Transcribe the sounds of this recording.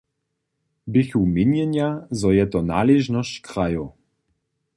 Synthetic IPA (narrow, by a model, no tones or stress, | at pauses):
bɪxuminjɛnjazɔjɛt̪ɔna̰ːlɛʒnɔst͡ɕkɾajo